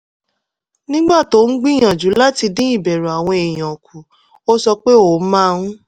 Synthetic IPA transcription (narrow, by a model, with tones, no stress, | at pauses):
nĩ˦ɡ͡ba˦˨to˨˦ŋ̩˦ɡ͡bĩ˦j̃ã˨d͡ʒu˨˦la˦ti˧dĩ˦i˦˨bɛ˨ɾu˨a˨w̃ɔ̃˧e˨j̃ã˨o˨kʰu˨ | o˦sɔ˧k͡pe˦o˨˦mã˦˧ũ˦